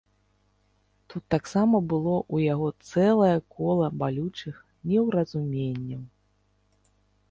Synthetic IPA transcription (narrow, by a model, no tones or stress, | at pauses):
t̪ut̪ːaksamɐbɨlˠɔʔujaɣɔt̪sɛlˠɐjɐkɔlˠɐbalʲut͡ʂɨx | nʲɛwɾɐzumʲenʲːɐw